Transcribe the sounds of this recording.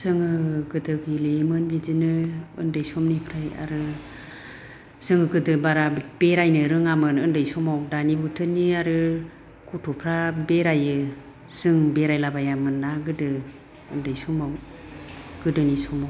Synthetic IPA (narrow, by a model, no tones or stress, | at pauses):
sɯŋɯɡɯdɯɡilemɯnbizinɯɯ̰ndɯjsɔmnipʰɾaja̰ɾɯ | sɯŋɯɡɯdɯbaɾab̥eɾajnɯɾɯŋamɯnɯndɯjsɔmawdanibutʰɯniaɾɯ | kʰutʰupʰɾabeɾajɯ | sɯŋbeɾajlabajamɯnːaɡɯdɯ | ɯndɯjsɔmaw | ɡ̥ɯdɯnisɔmaw